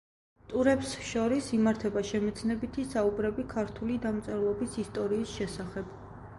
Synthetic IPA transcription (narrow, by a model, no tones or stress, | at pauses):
t̪ʼuɾɛpsʃɔɾisimaɾt̪ʰɛbaʃɛmɛt̪sʰnɛbit̪ʰisaubɾɛbikʰaɾt̪ʰulid̪amt̪sʼɛɾlˠɔbisist̪ʼɔɾiːsʃɛsaχɛb̥